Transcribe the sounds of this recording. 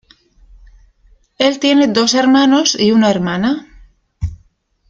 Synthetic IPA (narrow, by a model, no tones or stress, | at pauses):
e̞lt̪je̞ne̞d̪o̞se̞ɾmano̞siunaeɾmana